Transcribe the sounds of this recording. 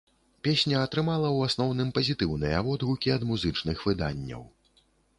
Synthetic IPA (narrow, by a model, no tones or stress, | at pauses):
pʲesʲnʲɐːt̪ɾɨmalˠɐwasnɔwnɨmpɐzʲit̪ɨwnɨjɐ̰vɔd̪ɣukʲiɐd̪muzɨt͡ʂnɨxvɨd̪a̰nʲːɐ̰w